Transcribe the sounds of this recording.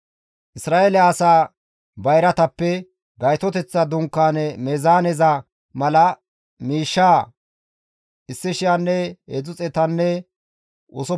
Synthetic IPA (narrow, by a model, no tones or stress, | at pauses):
ʔɪsɾaːʔelɪaːsaː | bɐjɾɐt̪ɐpːɛ | ɡɐjt̪ɔt̪ɛt͡sːɐd̪ʊŋkːaːnmɛzaːnɛzɐ | mɐlɐ | miːʃːaː | ʔɪsːɪʃɪjanːɛhed͡zʊt͡sʼɛt̪ɐnːɛ | ʔɔ̰sɔ